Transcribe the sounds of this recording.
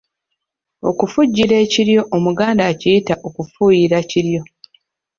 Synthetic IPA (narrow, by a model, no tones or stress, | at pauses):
o̞̰kufuɟːiɾe̞ːciɾjo̞ʔomuɡaːndaːcijitaʔo̞kufuːjiɾaciɾjo̞